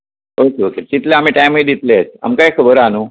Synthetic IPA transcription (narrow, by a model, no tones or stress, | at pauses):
okeoket̪it̪ljaam̤iʈajməd̪it̪leəsa̰mkajkʰəbəɾanu